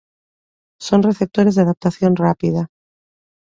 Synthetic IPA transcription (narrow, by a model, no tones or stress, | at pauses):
so̞nre̞θep̚t̪o̞ɾe̞zðaðap̚t̪aθjo̞nrapið̞a